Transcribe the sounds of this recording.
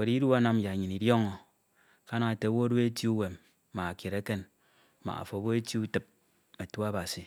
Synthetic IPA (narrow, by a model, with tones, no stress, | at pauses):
we˨ɾi˦ɾu˦a˦na˦m˦ja˨ɲi˨ni˨djo˦ŋo˨ | ka˦na˦˨te˨˦bo˦ɾu˦e˦tu˦u˦we˨m˦ | ma˨ke˨ɾe˦ke˦n˦ | ma̰˨a̰˨fo˨bo˦e˦ti˦u˦tɨ˨p̚ | e˨tu˦a˦ba˨si˨